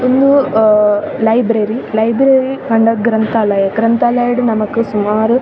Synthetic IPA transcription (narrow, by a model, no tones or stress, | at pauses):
ond̪u | lɐjbɾɐɾilɐjbɾeɾikɐɳɖɐɡɾɐnt̪aːlɐjɐɡɾɐnt̪aːlɐjɐɽunɐmɐkːusumaːɾu